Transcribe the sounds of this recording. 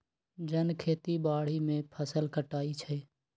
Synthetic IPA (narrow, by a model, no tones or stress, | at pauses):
d͡ʒənkʰeːt̪ibaːɽ̤imẽpʰəsəlkəʈaːit͡ʃʰɛ